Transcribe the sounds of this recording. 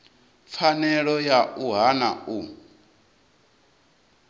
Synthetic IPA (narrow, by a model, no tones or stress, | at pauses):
p̪fʰanɛɺɔjaʔuɦanau